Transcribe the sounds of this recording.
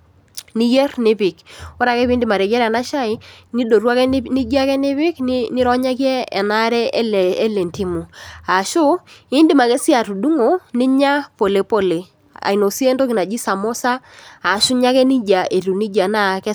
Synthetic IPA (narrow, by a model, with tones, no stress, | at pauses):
ni˦je˦rnɪ˦pɪ˨kɔ˦ɾa˨kɛ˦pi˦ndɪ˨ma˨ɾɛ˨ɡɛ˦ɾɛ˨na˦ʃa˦ɪ˦ni˦do˨ɾwa˦kɛ˦ni˦d͡ʒa˦kɛ˦nɪ˦βɪ˦kn˦nɪ˦ɾɔ˦ɲa˦k̬jɛ˦ɛ˨na˦ɾɛ˦lɛː˨˦le˨nti˦mu˨a˨ʃʊ˦ɪ˦ndɪ˦ma˨kɛ˦sja˨tu˨du˦ŋo˨nɪ˦ɲa˦po˨le˨po˨le˨ | a̰˨i˨no˨si˦e˦ndo˦kɪ˨na˨d͡ʒi˦sa˨mo˦sa˦a˨ʃʊ˦ɲa˦kɛ˦ni˦d͡ʒa˨ʔe˨ɾu˨ni˦d͡ʒa˨na˦kɛ˦